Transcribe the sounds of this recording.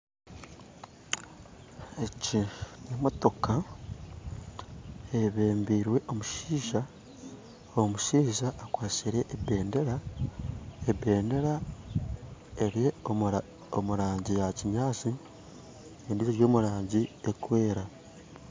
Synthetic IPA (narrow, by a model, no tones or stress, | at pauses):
ecinemo̞to̞ka | eiβe̞ːmbiːɾwe̞ʔo̞muʃiːʒa | omuʃiːʒaʔːkwaːsiɾe̞ʔːbeːndeɾa | ebe̞ːnde̞ɾa | eɾie̞o | omuɾaːɲɟijaciɲaːt͡si | endiziɾjo̞ːmuɾaːɲɟiekwe̞ːɾa